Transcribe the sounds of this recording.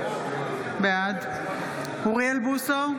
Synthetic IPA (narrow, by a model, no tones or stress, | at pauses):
bead̪ | huʁielbuso